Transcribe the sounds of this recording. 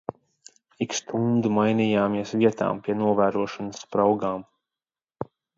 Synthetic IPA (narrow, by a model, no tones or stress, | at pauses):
ikst̪und̪umajnijaːmiɛsviɛt̪a̰ːmpʲiɛnuɔvæːɾuɔʃanəsːpɾawɡaːm